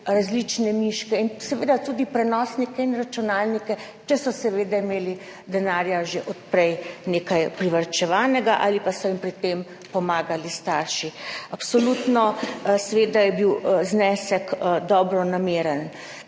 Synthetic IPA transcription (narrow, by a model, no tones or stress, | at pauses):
ɾazlit͡ʃnɛmiʃkɛinsɛʋeːd̪at̪uːd̪ipɾɛnɔːsnikɛinɾat͡ʃunaːlnikɛ | t͡ʃɛsɔsɛʋeːd̪aimeːli | d̪ɛnaːɾjaʒeʔɔt̪̚pɾɛjneːkajpɾiʋəɾt͡ʃɛʋaːnɛɡaʔa̰ːlipasɔimpɾit̪em | pɔmaːɡalist̪aːɾʃiapsɔlut̪nɔsɛʋeːd̪ajɛbiwznɛːsɛkd̪ɔːbɾɔnameːɾən